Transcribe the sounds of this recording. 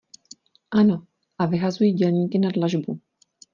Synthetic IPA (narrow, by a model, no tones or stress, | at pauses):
ʔano̞ | ʔavɪɦazujiːɟɛlɲiːkɪnadlaʒbu